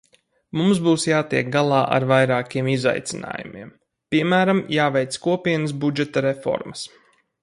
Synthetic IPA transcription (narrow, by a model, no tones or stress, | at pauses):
mumsbuːsjaːt̪ḭɛk̚ɡalˠɑːʔa̰ɾvajɾaːkʲiɛmiza̰jt̪sina̰ːjumḭɛm | pʲiɛmæːɾamjaːvɛjt̪skuɔpʲiɛnəs̬bud͡ʒɛt̪ɐɾefɔ̰ɾməs